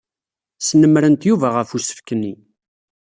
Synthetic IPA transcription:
snəmːɾənt̪juvæʁəfusə̥fkənːi

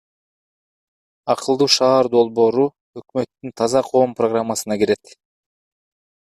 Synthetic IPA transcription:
ɑqɯlˠd̪uːʃɑːɾd̪o̞lˠbo̞ːɾu | økmø̞t̪ːynt̪ʰɑzɑqʰo̞ːmproɡramːasɯnɑɡeɾe̞t̪

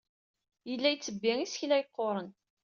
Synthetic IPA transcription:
jəlːæjt͡sːəbːɪŋisçlæjəqːoɾˤən

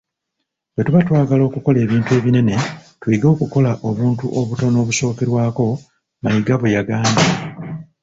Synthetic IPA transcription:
we̞tuβatwaːɡalo̞ːkuko̞le̞ːβiːntue̞ːβine̞ne̞twiːɡo̞ːkuko̞laʔo̞βuːntṵʔoβuto̞no̞ːβuso̞ːkeɾwaːko̞ | majiɡaβejaɡaːndi

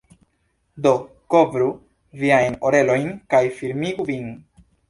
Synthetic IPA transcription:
do̞ | ko̞vɾu | viajnoɾe̞lo̞jnkajfiɾmiɡuvin

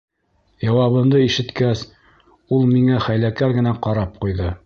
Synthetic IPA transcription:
jɑwɑβɤ̆md̪ɤiʃɘ̆t̪kæs | ulˠmiŋæχæjlækæɾɡɘ̆næqɑɾɑp̚qujðɤ

